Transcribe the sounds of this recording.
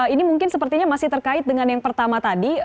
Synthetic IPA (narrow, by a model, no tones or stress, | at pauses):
inimuŋkɪnsəpərt̪iɲamasɪht̪ərkaɪt̪̚dəŋanjaŋpərt̪amat̪adi